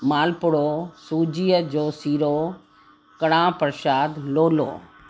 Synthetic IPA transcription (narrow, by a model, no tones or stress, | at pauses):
maːlpʊɽosuːd͡ʑiːəd͡ʑoːsiːɾoː | kɐɽãːpəɾʃaːd̪loːlo̰ː